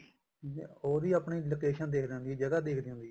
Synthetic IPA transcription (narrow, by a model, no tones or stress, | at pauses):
ḛoːd̪iːaːpɳiːlokeːʃənd̪eːkʰd̪eʊ̃nd̪iːd͡ʒəɡaːd̪eːkd̪eːɦʊ̃nd̪i